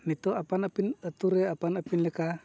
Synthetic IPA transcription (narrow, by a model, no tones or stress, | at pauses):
nit̪oapanapinət̪uɾeapanapinleka